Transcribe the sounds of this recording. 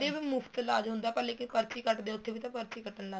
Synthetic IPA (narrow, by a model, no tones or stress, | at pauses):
eːbiːmʊpʰt̪laːd͡ʒɦʊ̃nd̪aːpəleːkɪpəɾt͡ʃiːkəʈd̪eːʊt̪ʰːeːbiːt̪ãpəɾt͡ʃiːkəʈənlaː